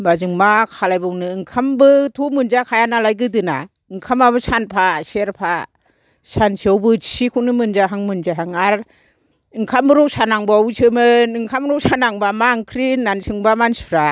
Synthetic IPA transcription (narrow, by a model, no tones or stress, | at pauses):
bazɯŋmakʰalajbɔŋnɯːŋkʰambɯtʰumɯnd͡ʒakʰajanalajɡɯdɯna̰ | ɯŋkʰamabɯsanpʰaseɾpʰa | sansʰiawbɯsikʰunɯmɯnd͡ʒaɦaŋmɯnd͡ʒaɦaŋaɾ | ɯŋkʰambɯɾɔwsanaŋbawusʰɯmɯnɯŋkʰamɾɔwsanaŋbamaŋkʰɾinansʰɯŋbamansu̥ɾa